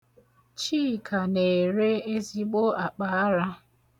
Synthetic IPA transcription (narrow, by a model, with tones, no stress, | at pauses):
t͡ʃiː˦˨kʰa˨ne˨ɾe˦e˦zi˦ɡ͡bo˦a˨k͡pa˨˦a˦ɾa˦